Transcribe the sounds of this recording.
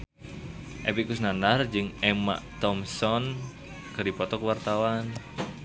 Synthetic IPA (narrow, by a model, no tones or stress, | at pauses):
ʔepikusnanard͡ʒɨŋɛma̰ʔt̪ɔmsɔn | kərdipɔt̪ɔkəwart̪awan